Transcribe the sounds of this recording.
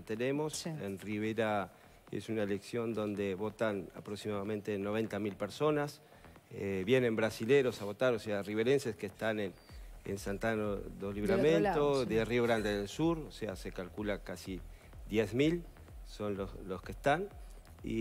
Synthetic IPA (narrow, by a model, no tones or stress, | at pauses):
t̪ene̞mo̞sḛnriβ̞eɾa | ḛsunaeleksjo̞nd̪o̞nd̪e̞βo̞t̪ana̰pɾoksimaðamẽnt̪eno̞β̞e̞nt̪amilpeɾso̞nas | eβjenẽ̞mbɾasileɾo̞saβo̞t̪aɾoseariβeɾenseskest̪anen | ḛnsant̪anoðoliβɾamẽnt̪oðerio̞ɣɾand̪eðelsuɾoseasekalkulakasi | ðjezmil | so̞nloloskest̪an | ḭ